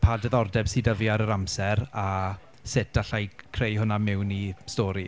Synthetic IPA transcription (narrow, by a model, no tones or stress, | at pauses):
pʰadəðɔrdɛb̥siːdəviaɾəɾamsɛɾa | sɪtaɬajkʰrejɦʊnamɪwnistɔːɾi